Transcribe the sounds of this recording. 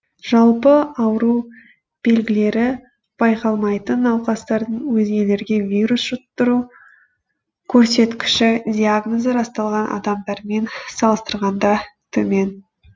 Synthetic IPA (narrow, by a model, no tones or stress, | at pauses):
ʒ̥ɑlˠpəɑwɾuw | b̥e̞lɡʲɪle̞ɾɪ | b̥ɑjqɑlˠmɑjt̪ənɑwqɑst̪ɑɾd̪əɴwɵzɡʲe̞le̞ɾɡʲe̞vʲijɾusʒ̥ʊt̪ːəɾu | kʲʰɵɾse̞t̪kʲɪ̥ʃɪd̪ʲiaɡnozeɾɑst̪ɑlˠʁɑnʔɑ̰d̪ɑmd̪ɑɾme̞nsɑlˠəst̪əɾʁɑnd̪ɑt̪ʰɵme̞n